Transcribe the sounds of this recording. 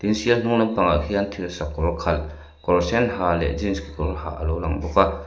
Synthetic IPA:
t̪insiəln̥uŋnanpaŋakʰiant̪ʰilsakɔɾɔkʰɐl | kɔlsɛnɦalɛ̰ʔzinskikɔɔlɦa̰ʔə̰lɔwlaŋbɔka

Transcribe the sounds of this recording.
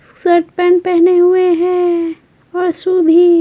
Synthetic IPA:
səɾʈpɛ̃ːɳʈ̚pɛɦneɦʊeɦɛ̃ | ɔːɾsubʱi

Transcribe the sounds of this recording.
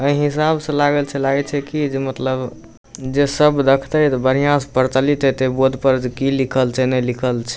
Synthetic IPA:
əiɦis̬absə̃laɡəlt͡ʃʰɛlaɡɛt͡ʃʰɛkid͡ʒemət̪ləb | d͡ʒesəbd̪əkʰt̪əjt̪ɔbəɾijãspəɾt͡ʃəlit̪ət̪ebod̪ʱpəɾd͡ʒekilikʰəlt͡ʃʰɛnɛlikʰəlt͡ʃʰɛ̥

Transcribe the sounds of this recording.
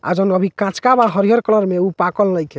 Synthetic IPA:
a̰d͡ʒənəbʱikãt͡ʃkabaɦəɾiɦəɾkələɾmeupakəlːəjke

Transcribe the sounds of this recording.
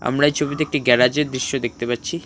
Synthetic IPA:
a̰mɾaejt͡ɕʰobit̪eek̚ʈiɡɛɾad͡ʑeɾd̪ɾiʃːod̪ek̚ʰt̪epatːɕʰi

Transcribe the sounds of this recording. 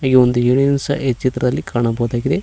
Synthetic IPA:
ɐɡiond̪ujuɳinsɐ̰ʔet͡ʃit̪ɾɐd̪ɐlːikaːɳɐbɐɦud̪aːɡid̪e̞

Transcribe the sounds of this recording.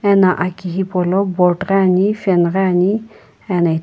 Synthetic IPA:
ɛnaʔakiɦipɔlɔbɔʈɾaanifɛnɾaani | ɛnaj

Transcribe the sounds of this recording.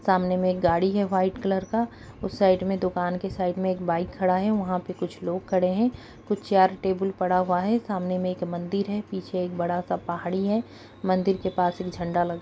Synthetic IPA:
saːmnemẽeːk̚ɡaːɽiɦɛʋaːɪʈkələɾka | ʊsːaːɪɖmẽd̪ʊkaːnkesaːɪɖmẽeːkbaːɪkʰːɐɽaɦɛʋɐɦãpekʊt͡ʃʰloːɡkʰɐɽeɦɛ̃ | kʊt͡ʃʰt͡ʃaːɾʈeːbəlpɐɽaɦuaɦɛsaːmnemẽeːkmɐ̃nd̪ɪɾɦɛpiːt͡ʃʰeeːk̚bɐɽasapaɦaːɽiɦɛ | mɐ̃nd̪ɪɾkepaːseːkd͡ʒʱɐ̃ɳɖalɐɡa

